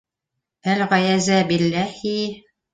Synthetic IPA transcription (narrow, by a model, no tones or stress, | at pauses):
ælʁɑjæzæbilːæhi